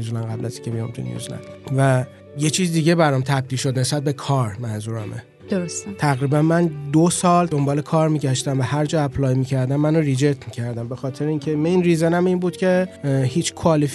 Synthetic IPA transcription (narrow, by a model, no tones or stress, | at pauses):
ezlænɡæblæsi̥kcʰemijomt̪ʰṵnjṵzlæ̰nd̪væ | jet͡ʃʰiːzid̪iɟe̞bæɾɒmt̪ʰæb̚d̪ilʃo̞d̪ne̞sbæt̪̚be̞kʰɒːɾmænzuːɾæmḛ | d̪̥oɾost̪et̪ʰæɣɾiːbænmænd̪osɒːld̪o̞mbɒːle̞kʰɒːɾmiːɟæʃt̪æmvæhæɾd͡ʒɒːæpʰlɒːjmiːcʰæɾd̪æmːænoɾid͡ʒet̪ʰmicʰæɾd̪æmbe̞xɒːt̪ʰe̞ɾeiːŋcʰemenɾizænæminbuːd̪̥cʰʲe̞hiːt͡ʃʰkʰoɒːlef